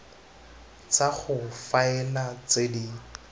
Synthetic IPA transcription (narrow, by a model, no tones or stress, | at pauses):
t͡saχʊfaɛlat͡sedi